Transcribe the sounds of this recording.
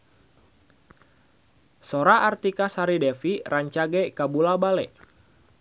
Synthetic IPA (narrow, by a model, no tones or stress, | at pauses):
soɾaʔart̪ikasaɾidɛfiraɲt͡ʃaɡɛkabulabalɛ